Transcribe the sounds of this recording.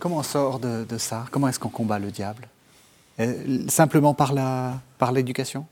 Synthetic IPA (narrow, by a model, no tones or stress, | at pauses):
kɔmɑ̃ɔ̃sɔʁd̪əd̪əsakɔmɑ̃ɛskɔ̃kɔ̃baləd̪jabl | ɛsɛ̃pləmɑ̃paʁlapaʁled̪ykʲasjɔ̃